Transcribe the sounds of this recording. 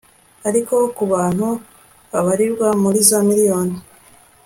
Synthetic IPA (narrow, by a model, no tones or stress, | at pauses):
aɾiko̞kuβaːn̥hu | βaβaɾiɾɡwamuɾizomiɾijo̞ːni